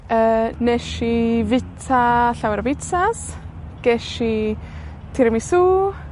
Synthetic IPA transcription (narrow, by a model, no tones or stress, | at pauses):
ənɛʃivɪtʰaɬawɾbɪt͡sas | ɡ̥ɛʃi | t̪ʰiɾmisuː